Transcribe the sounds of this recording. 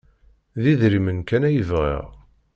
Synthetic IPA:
ðiðɾimənkænæjəvʁḭʁ

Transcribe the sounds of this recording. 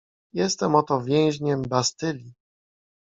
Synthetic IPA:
jɛst̪ɛmɔt̪ɔvʲjɛ̃w̃ʑɲɛmbast̪ɘlʲi

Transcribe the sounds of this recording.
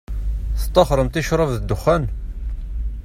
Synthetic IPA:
θə̥t̪ˤːɑχɾˤəmt̪iʃɾˤəvðəd̪ːʊχːæn

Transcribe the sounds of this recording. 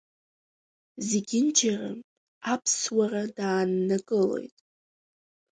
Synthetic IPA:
zeɡʲɪnd͡ʒʰara̰ | apʰswaradaːnːakʼɨlo̞̰jtʼ

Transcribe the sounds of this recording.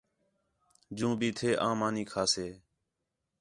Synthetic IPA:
d͡ʒũːbʱiːt̪ʰeːʔãːmaːniːkʰaːseː

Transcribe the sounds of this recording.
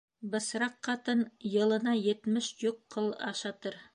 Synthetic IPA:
bɤ̆sɾɑqːɑt̪ɤnjɤ̆lˠɤ̆nɑjɘ̆t̪mɘʃjoqʰːɤlˠɑ̰ʃɑt̪ɤɾ

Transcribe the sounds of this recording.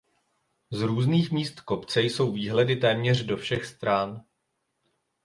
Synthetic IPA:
zɾuːzniːxmiːst̪ko̞pt͡sɛjso̞wviːɦlɛdɪt̪ɛːmɲɛr̝do̞fʃɛxst̪ɾan

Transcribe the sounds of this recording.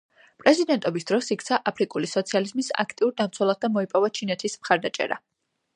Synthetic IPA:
pʼɾɛzid̪ɛnt̪ʼɔbisd̪̥ɾɔsikʰt̪sʰaʔapʰɾikʼulisɔt̪sʰializmisa̰kʰt̪ʼiuɾd̪amt̪sʰɛlˠas̚d̪amɔipʼɔvat͡ʃʰinɛt̪ʰismχaɾd̪at͡ʃʼɛ̰ɾa̰

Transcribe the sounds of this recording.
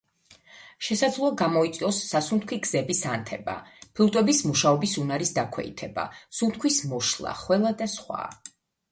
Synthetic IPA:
ʃɛsad̪zlˠɔaɡamɔit̪sʼiɔsːasunt̪̚ʰkʰwiɡz̥ɛbisant̪ʰɛba̰pʰlut̪ʼwɛbismuʃaɔbisunaɾisd̪akʰwɛ̰ḭt̪ʰɛba̰sunt̪̚ʰkʰwismɔʃlˠa̰χwɛlˠad̪asχwa̰

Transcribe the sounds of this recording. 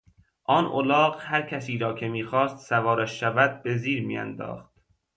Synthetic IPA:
ʔɒːnʔo̰lɒːɢhæɾcʰæsiːɾɒːcʰe̞miːxɒːst̪sævɒːɾæʃːævæd̪̚be̞ziːɾmḭæ̰nd̪ɒ̰ːχt̪̚

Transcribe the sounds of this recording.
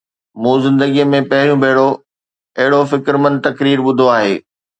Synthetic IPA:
mũːzɪ̃nd̪əɡijəmẽpɐɦɪɾjũbʱɐːɪɽo | ɐɦɪɽofɪkɾmə̃nd̪̚t̪ɐkɾiːɾɓʊd̪ʱoaːɦeː

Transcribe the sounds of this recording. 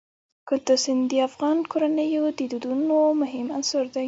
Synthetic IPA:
kʊt̪əsɪnd̪iafɣɑnkoɾanəjod̪əd̪od̪unomʊɦɪmansoɾd̪aj

